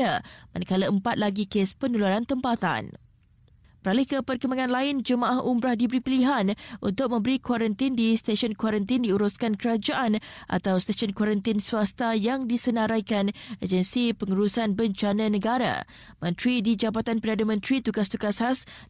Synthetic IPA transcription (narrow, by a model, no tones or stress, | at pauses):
a̰manakaləəmpat̪̚laɡikespənulaɾant̪əmpat̪a̰n | pəɾalɪhkəpərkəmaŋãnlaɪnd͡ʒəmãʔahʔumbɾahdibəɾipəliɦanʔṵnt̪ʊk̚mə̃mbəɾikwaɾənt̪indist̪eʃɔnkwaɾənt̪ɪndiuɾuskankəɾad͡ʒaʔanʔa̰t̪awst̪eʃɔnkwaɾənt̪ɪnsuast̪ajaŋdisənãɾajkaned͡ʒənsipəŋuɾusanbəɲt͡ʃanãnəɡaɾa̰ | mə̃nt̪ɾidid͡ʒabat̪anpədadamə̃nt̪ɾit̪uɡast̪uɡasas